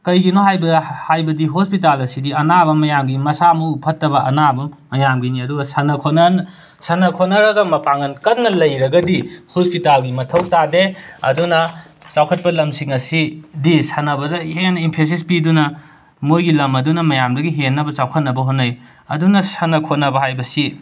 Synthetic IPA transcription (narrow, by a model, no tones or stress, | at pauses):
kɐjɡinoɦajbɐhajbɐdiɦospitalɐsidiɐnabɐmɐjamɡimɐsamuːpʰɐtːɐbɐʔɐnabɐmɐjamɡiniɐduɡɐsɐnɐkʰonɐn | sɐnɐkʰonɐɾɐɡɐmɐpaŋɐnkɐnːɐlɐjɾɐɡɐdihospitalɡimɐtʰɐw̚tadeɐ̰dunɐ | t͡ʃawkʰɐt̚pɐlɐmsiŋɐsidisɐnɐbɐdɐhenɐimpʰes̬ispidunɐ | mojɡilɐmɐdunɐmɐjamdɐɡiɦenːɐbɐt͡ʃawkʰɐt̚nɐbɐɦonːɐj | ɐ̰dunɐsɐnɐkʰonɐbɐɦajbɐsi